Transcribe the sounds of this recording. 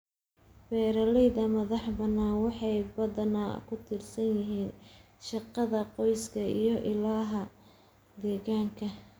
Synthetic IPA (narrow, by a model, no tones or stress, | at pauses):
bɛːɾɐlɛjðɐmɐðɑħbɐnaːnwɑħɑjbɐðɐna̰ːkʰʊt̪ʰɪrsɐnjɪɦiːn | ʃɑqɑðɐqɔjskʰɐḭjɞʔɪlaːɦɐ | d̪ɛːɣaːŋkʰɐ